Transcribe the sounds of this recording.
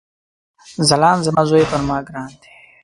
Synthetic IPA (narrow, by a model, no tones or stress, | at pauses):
zɐlaːnzɐmazoːepɐnmaːɡɾaːnd̪e̥